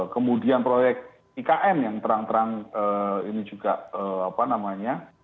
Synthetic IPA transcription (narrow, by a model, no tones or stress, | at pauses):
kəmudianpɾojɛk̚t̪̚ | ikaʔɛmjaŋt̪əɾaŋt̪əɾaŋəinid͡ʒuɡ̥aʔəapanamaɲa